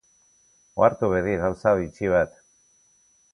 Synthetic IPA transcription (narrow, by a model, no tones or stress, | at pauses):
oaɾt̪uβeðiɣawsait͡ʃiβ̞at̪